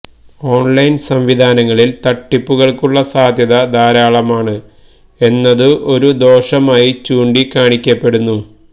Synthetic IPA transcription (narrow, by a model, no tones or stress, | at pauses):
o̞ːɳlɐjnsɐmʋid̪ʱaːnɐŋːɐɭilt̪ɐʈːipːuɣɐɭkuɭːɐsaːd̪ʱjɐðɐd̪ʱaːɾaːɭɐmaːɳɨ | e̞nːɐðɨʔo̞ɾud̪o̞ːʂɐmaːjit͡ɕuːɳɖikaːɳikʲːɐpːe̞ɽunːu